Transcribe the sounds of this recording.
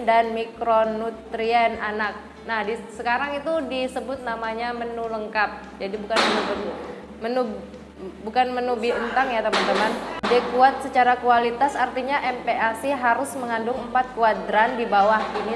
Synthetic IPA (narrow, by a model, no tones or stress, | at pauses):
danmikɾonut̪ɾiananak̚ | nahdisəkaɾaŋit̪udisəbʊt̪̚namaɲamənuləŋkap̚d͡ʒadibukanmənub | mənu | bukanmənubiənt̪aŋjat̪əmant̪əmandakuat̪̚sət͡ʃaɾakualit̪asart̪iɲaʔɛmpeʔasiɦaɾʊsməŋandʊŋəmpat̪̚kuadɾandibawahini